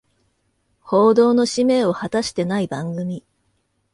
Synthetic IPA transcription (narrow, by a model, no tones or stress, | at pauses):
ho̞ːd̪o̞ːno̞ɕime̞ːo̞hat̪aɕi̥t̪e̞naibãŋɡɯ̟mʲi